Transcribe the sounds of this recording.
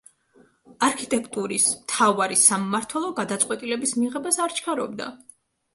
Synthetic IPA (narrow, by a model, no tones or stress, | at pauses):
aɾkʰit̪ʼɛkʰʼt̪ʼuɾismt̪ʰavaɾisamɔmaɾt̪ʰwɛlˠɔɡad̪at̪sʼwɛt̪ʼilɛbismiʁɛbasaɾt͡ʃʰkʰaɾɔ̰bd̪a̰